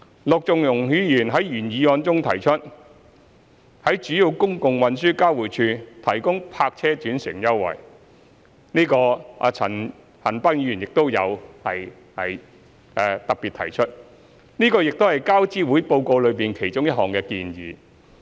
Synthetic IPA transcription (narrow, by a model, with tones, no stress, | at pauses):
lʊ˨k̚t͡sʊ˨ŋjʊ˨˩ŋhyː˨˥jyː˨˩nɦɐ˨˥jjyː˨˩njiː˨˧ɔː˨˧nt͡sʊ˥ŋt̪ʰɐ˨˩jt͡ʃʰɵ˥t̚ | hɐ˨˥jt͡ʃyː˨˥ji˧wkʊ˥ŋkʊ˨ŋwɐ˨nsyː˥kaː˥wuː˨˩jt͡ʃʰyː˧t̪ʰɐ˨˩jkʊ˥ŋpʰaː˧k̚t͡ʃʰɛː˥t͡ʃyː˨˥nsɪ˨˩ŋjɐ˥wːɐ̰˨˩j | niː˥kɔ̰ː˧t͡sʰɐ˨˩n | hɐ˨˩npaː˥ŋ̚jiː˧yː˨˩njɪ˨k̚t̪o˥wjɐ̰˨˧whɐ˨j | hɐ˨j | ʔɛː˧t̪ɐ˨k̚piː˨t̪ʰɐ̰˨˩jt͡ʃʰɵ˥t̚ | niː˥kɔː˧jɪ˨k̚t̪o˥hɐ˨jkaː˥wt͡siː˥wuː˨˥jpo˧wko˧wlɵ˨˧ɥpiː˨˩nkʰe˨˩jt͡ʃʊ˥ŋjɐ˥t̚hɔː˨˩ŋkɛː˧kḭː˧njiː˨˧